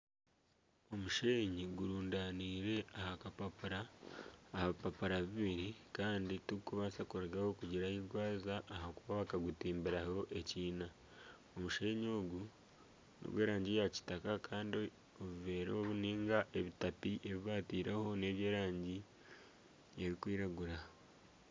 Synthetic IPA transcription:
o̞muʃe̞ːɲiɡuɾuːndaːniːɾe̞ahakapapuɾaː | haβipapuɾaβiβiɾikaːndituikuβasakuɾɡahokuɟiɾahiɾɡwaːzaʔːɦakuβaβakaɡutiːmbiɾaho̞ʔe̞ciːna | omuʃeːɲo̞ːɡu | nʔo̰ɡweːɾaːɲɟijaci̥takakaːndi | oβuve̞ːɾo̞ːβuniːŋɡaʔeβitapiʔe̞βiβaːtiːɾeho̞ne̞ːβjeːɾaːɲɟi | e̞βikwiːɾaɡuɾa

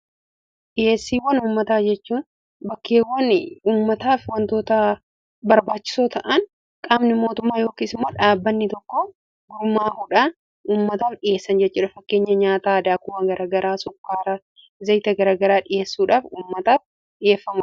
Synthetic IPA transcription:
ᶑɪje̞ːsːiːwɐnuːmːɐt̪aːd͡ʒɛt͡ʃːuːn | bɐkːeːwɐnuːmːɐt̪aːfwɐnt̪o̞ːt̪ɐ | bɐɾbaːt͡ʃːɪ̥soːt̪ɐʔɐn | kʼaːmnɪmo̞ːt̪ʊmːaːjo̞ːkiːsɪmːo̞ːᶑaːbːɐnːɪt̪ɔkːo | ɡʊɾmaːhʊᶑaːn | uːmːɐt̪aːfᶑɪje̞ːsːɐnd͡ʒɛt͡ʃːuːᶑɐfɐkːe̞ːɲːɐɲaːt̪aːd̪aːkʊwɐːŋɡɐɾʔaːɡɐɾaːsʊkːaːɾɐ | zɐjt̪ɐɡɐɾaːɡɐɾaːᶑɪje̞ːsːuːᶑaːfuːmːɐt̪aːf | ᶑɪje̞ːfːɐmʊ

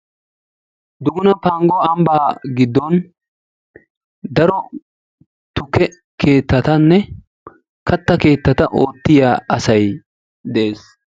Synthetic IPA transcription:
d̪ʊɡʊnɐpaːŋɡɔɐmbaːɡɪd̪ːɔn | d̪ɐɾɔ | t̪ʊkɛ | kʰe̞ːt̪ːɐt̪ɐnːɛ | kɐt̪ːɐke̞ːt̪ːɐt̪ɐʔo̞ːt̪ːɪjaːɐsɐj | d̪eːs

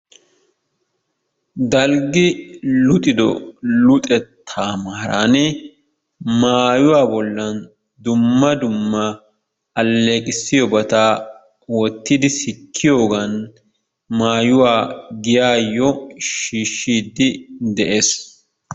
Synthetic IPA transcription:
d̪ɐlɡɪlʊt̪ʼɪd̪ɔ̰lʊt̪ʼɛt̪ʰːaːmɐhɐɾanɛ | maːjʊwaːbɔlːɐn | d̪ʊmːɐd̪ʊmːɐ | ɐlːeːkʼɪsːɪjɔbɐt̪aː | wɔt̪ːɪd̪ɪsɪkʰːɪjoːɡɐn | maːjʊwaːɡɪjaːjːɔʃiːʃːiːd̪ːɪd̪ɛʔe̞ːs

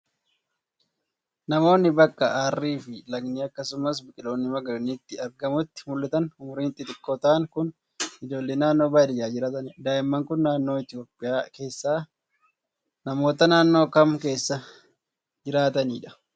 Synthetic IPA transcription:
nɐmo̞ːnːɪbɐkʼːɐʔaːrːiːfɪlɐɡniːɐkːɐsʊmɐs̬bɪkʼɪlo̞ːnːɪmɐɡɐnit̪ːɪɐɾɡɐmʊt̪ːɪ̥mʊlːɐt̪ɐnʊmʊɾiːnt̪ːɪt̪ɪkːoːt̪aːŋkʊn | ɪd͡ʒo̞ːlːeːnaːnːo̞ːbaːd̪ɪjaːd͡ʒɪɾaːt̪ɐnd̪aːʔɪmːɐŋkʊnːaːnːo̞ːɪt̪ɪjo̞ːpʼːɪjaːke̞ːsːaː | nɐmo̞ːt̪ɐnaːnːo̞ːkɐmke̞ːsːɐ | d͡ʒɪɾaːt̪ɐniːᶑɐ̥

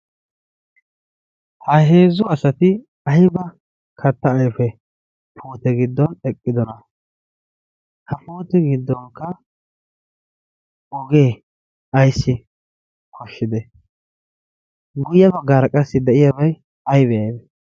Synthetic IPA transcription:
hɐɦe̞ːzʊɐsɐt̪ɪ | ɐjbɐ | kʰɐt̪ːɐːjfɛ | pʰuːt̪ɛɡɪd̪ːɔnɛkʼːɪd̪ɔnɐ | hɐpuːt̪ɛɡɪd̪ːɔŋkːɐ | ɔɡe̞ː | ɐjsːɪ | kʰɔʃːɪd̪ɛ | ɡʊjːɐbɐɡɐɾɐkʼɐsːɪd̪ɛʔɪjɐbɐj | ɐjbɛjɐjd̪ɛ

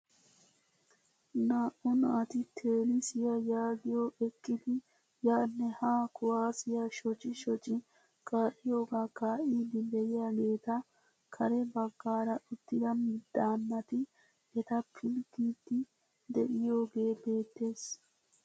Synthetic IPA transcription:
naːʔʊnʔɐt̪ɪt̪ʰeːlɪsɪjɐjaːɡɪjoːʔɛkːɪd̪ɪ | jaːnːɛhaːkʊwaːsɪjaʃɔt͡ʃʼɪʃɔt͡ʃʼːɪ | kʼaːʔɪjo̞ːɡaːkaːʔiːd̪ɪd̪ɛjɪjaɡe̞ːt̪ɐ | kʰɐɾɛbɐɡːaːɾɐʔʊt̪ːɪd̪ɐmɪd̪ːaːnːɐt̪ɪ | ɛt̪ɐpʰɪlkiːd̪ːɪ | d̪ɛʔɪjo̞ːɡe̞ːbe̞ːt̪ːe̞ːs

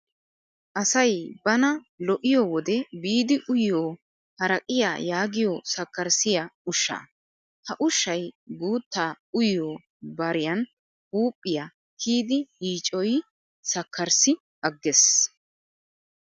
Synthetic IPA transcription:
ʔɐsɐjbɐnɐ | lɔʔɪjɔwɔd̪ɛbiːd̪ɪʔʊjoː | hɐɾɐkʼɪja̰ːjaːɡɪjɔsɐkːɐɾsɪjaʊʃːa̰ː | hɐʔʊʃːɐjɡuːt̪ːaː | ʊjoː | bɐɾɪjɐn | huːpʼːɪjaː | kʰiːd̪ɪhiːt͡ʃʼːɔj | sɐkʰːɐɾsɪ | ʔɐɡːɛs

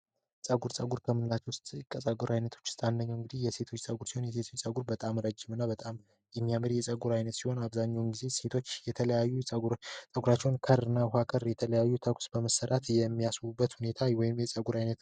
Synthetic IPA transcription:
sʼəɡuɾsʼəɡuɾkʰəmɨnlat͡ʃːɛwʊst̪ʼkʼəsʼaɡuɾajnət̪ʰo̞̥t͡ʃːɪ̥st̪ʼandəɲːɛwɨŋɡɨd̪ihjɛse̞t̪ʰo̞t͡ʃːsʼəɡuɾsiho̞njɛs̬e̞t̪ʰot͡ʃːt͡sʼəɡuɾbət̪ʼamɾəd͡ʒːɪmɨnːabət̪ʼam | jɛmːijamɨɾjɛsʼəɡuɾajnət̪siho̞naβzaɲːawnɡize̞se̞t̪ʰo̞t͡ʃːjɛt̪ʰələjajːusʼəɡuɾat͡ʃːɛwnkʰəɾɨnːaɦakʰəɾjɛt̪ʰələjajːut̪ʰəkʷsbəməsəɾʔat̪jɛmːijaswubːət̪hune̞t̪ʰawɔjɪmjɛsʼəɡuɾajnət̪

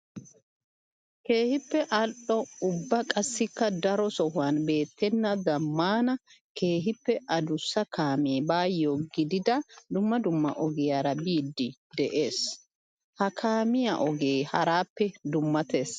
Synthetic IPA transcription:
ke̞ːhɪpːɛʔɐlɗɔʊbːɐkʼɐsːɪkːɐd̪ɐɾɔsɔhʊanbe̞ːt̪ːɛnːɐd̪ɐmːaːnɐke̞ːɦɪpːɛʔɐd̪ʊsːɐkʰaːmeːbaːjːoɡɪd̪ɪd̪ɐd̪ʊmːɐd̪ʊmːɐ̰ʔɔɡɪjaɾɐbiːd̪ːɪd̪ɛʔe̞ːs | hɐkʰaːmɪjɐʔɔɡeːhɐɾaːpːɛd̪ʊmːɐt̪e̞ːs

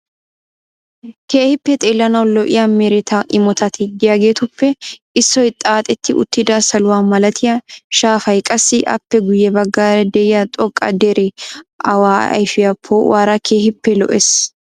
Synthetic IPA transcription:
ke̞ːhɪpːɛt̪ʼeːlːɐnɐwlɔʔɪ̰jamɛɾɛt̪ʰɐʔɪmɔt̪ʰɐt̪ʰɪɡ̪ɪjaɡe̞ːt̪ʊpːɛ | ɪsːɔjt̪ʼaːt̪ʼɛt̪ʰːɪʔʊ̰t̪ːɪd̪aːsɐlʊwaːmɐlɐt̪ʰɪjɐʃaːfɐjkʼɐsːɪʔɐ̰pːɛɡʊjːɛbɐɡːaːɾɛd̪ɛɪjat̪ʼɔkʼːɐ̰d̪ɛɾɛʔɐwaːɐ̰jfɪjɐpʰːowʔaːɾɐkʰeːhɪpːɛlɔ̰ʔɛs

